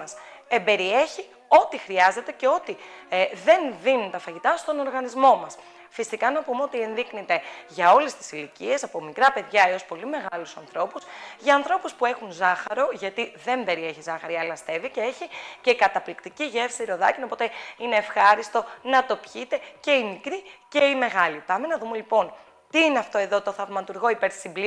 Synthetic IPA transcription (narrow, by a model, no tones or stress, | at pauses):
ɐse̞mbe̞ɾie̞çi | o̞t̪ixɾiɐze̞t̪e̞ceo̞t̪iðe̞nðinunt̪ɐfɐʝit̪ɐst̪o̞no̞ɾɣɐnizmo̞mɐs | fisikɐnɐpumeo̞t̪ie̞nðiknit̪e̞ʝɐo̞le̞st̪i̥silicie̞sɐpo̞mikɾɐpe̞ðʝɐeo̞spo̞lime̞ɣɐlusɐnθɾo̞pusʝɐːnθɾo̞puspue̞xunzɐxɐɾo̞ʝɐt̪iðe̞mbe̞ɾie̞çizɐxɐɾiɐlɐst̪e̞vice̞e̞çice̞ikɐt̪ɐplikt̪iciʝe̞fsiɾo̞ðɐcino̞po̞t̪e̞ine̞ːfxɐɾist̪o̞nɐt̪o̞pçit̪e̞ce̞inikɾiceime̞ɣɐlipɐme̞nɐðume̞lipo̞n | t̪iineɐft̪o̞e̞ðo̞t̪o̞θɐvmɐt̪uɾɣo̞ipe̞ɾi̥simbli